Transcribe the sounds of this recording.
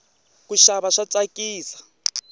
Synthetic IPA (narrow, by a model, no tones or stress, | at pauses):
kuʃaβaʂat͡sakiːsḁ